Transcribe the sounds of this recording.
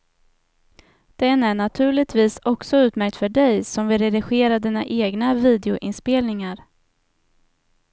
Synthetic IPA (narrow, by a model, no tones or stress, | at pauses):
d̪̥ɛnæɳat̪ʰʉ̟ːɭɪt̪viːsɔksɔʉ̟ːt̪mæɾk̚t̪fœɖɛjsɔmvɪlɾɛd̪ɪɧeːɾaɖ̪iːna̰ʔeːɡnaviːd̪ɛʊʔɪ̰nspeːlnɪŋaɾ